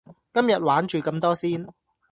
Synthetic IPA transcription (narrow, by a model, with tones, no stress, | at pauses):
kɐ˥mjɐ˨t̚waː˨˥nt͡ʃyː˨kɐ˧mt̪ɔː˥siː˥n